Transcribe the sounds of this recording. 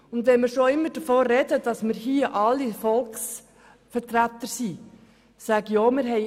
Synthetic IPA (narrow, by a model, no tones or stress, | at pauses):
ʊndʋɛnməɾʃoɪmːəɾd̥əfoːɾɛdəd̥ɑsməɾhiəʔɑlːifɔlks | fəɾtɾæt̪əɾsi | sæɡ̥əjoːmɪɾɦɛ